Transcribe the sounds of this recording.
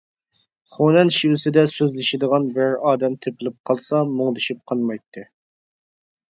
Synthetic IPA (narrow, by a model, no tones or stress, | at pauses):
χonɛnʃiwɪsɪd̪ɛsøzlɪʃɪd̪əʁɑnbɪɾɑːd̪ɛmt̪ʰepʰɪlɪp̚qʰɑlˠsɑmoŋd̪yʃip̚qʰɑnmɑjt̪ʰːɪ